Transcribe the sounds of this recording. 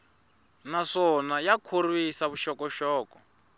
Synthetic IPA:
naʂɔnajakʰorwisaβuʃɔkɔʃɔːkɔ

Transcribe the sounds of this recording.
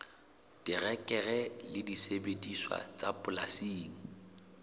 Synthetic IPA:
tʼɪrɛkʼɛrɛlɪdisebediswa̰t͡sʼapʼʊlasiːŋ̩

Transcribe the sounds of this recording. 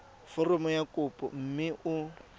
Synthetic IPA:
fɔrɔmɔjakʼʊpʼɔ̰m̩mɪʔʊ

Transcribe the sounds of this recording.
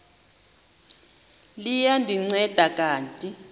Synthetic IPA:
lijandʱiŋ͡ǀɛd̥ʱakʼaːntʼi

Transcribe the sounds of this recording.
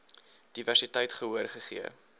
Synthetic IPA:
d̥iværsitɛjtχəɦuərχəχḭə̰

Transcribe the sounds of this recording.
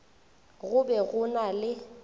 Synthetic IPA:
ɣʊbɛɣʊnalɪ

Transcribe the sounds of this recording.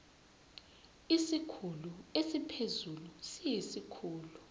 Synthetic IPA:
isikʰuluesipʰezulusijisikʰuːlu

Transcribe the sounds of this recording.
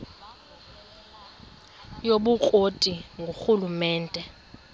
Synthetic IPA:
joɓukʼotʼiŋɡʱoxulumɛːntʼɛ

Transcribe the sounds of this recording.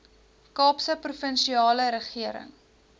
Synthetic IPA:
kɑːpsəprufənʃiɑːləɾəχiəɾə̰ŋ

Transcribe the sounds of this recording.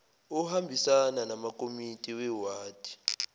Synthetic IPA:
uhambʱisananamakʼomitʼiwɛwaːtʼi̥

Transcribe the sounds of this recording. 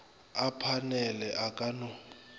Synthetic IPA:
apʰanɛlɛʔakʼanɔ

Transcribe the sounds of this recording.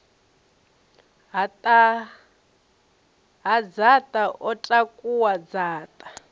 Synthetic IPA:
ata | ɦad͡zatʼaʔɔtʼakʼuwad͡zaːtʼḁ

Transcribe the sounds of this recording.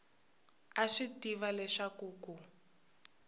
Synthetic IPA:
aʂitiβalɛʂakuːku

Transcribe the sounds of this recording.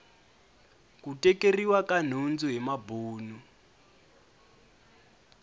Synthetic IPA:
kutɛkeriwakan̤und͡zuɦɛmabuːnu

